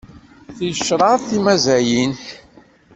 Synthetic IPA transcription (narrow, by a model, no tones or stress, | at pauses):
θjəʃːɾˤɑθimæzæjin